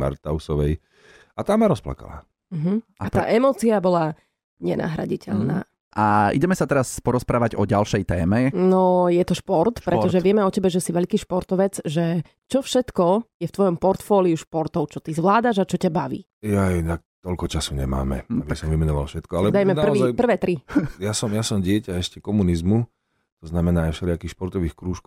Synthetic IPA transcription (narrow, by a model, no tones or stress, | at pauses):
ma̰ɾt̪aʊsɔʋɛ̰j | at̪aːmaɾɔspla̰ka̰la̰ː | m̩ɦm̩at̪a̰ːʔɛmɔːt͡siabɔla | ɲɛnʔa̰ːɦɾa̰ɟicɛ̰ʎna̰ː | ʔaḭɟɛmɛsat̪ɛɾaspɔɾɔspɾaːʋaɟɔɟalʃɛjt̪ɛːmɛnɔjɛt̪ɔʃpɔɾt̪pɾɛt̪ɔʒɛʋɪɛmɛɔcɛbɛʒɛsiʋɛʎkiːʃpɔɾt̪ɔʋɛd͡zʒɛ | t͡ʃɔfʃɛt̪kɔjɛft̪ʋɔjɔmpɔɾt̪fɔːliuʃpɔɾt̪ɔʊt͡ʃɔt̪izʋlaːd̪aʒat͡ʃɔcabaʋḭː | jajɛnak̚t̪ɔʎkɔt͡ʃasuɲɛ̰ma̰ːmɛ̰abisɔmvimɛnɔʋa̰lfʃɛt̪kɔalɛd̪ajmɛarʋiːzajpr̩ʋɛːt̪ɾijasɔmjasɔmɟɪɛcaɛʃcɛkɔmunizmu | t̪ɔznamɛnaːjfʃɛlɪakiːxʃpɔɾt̪ɔʋiːxkɾuːʃk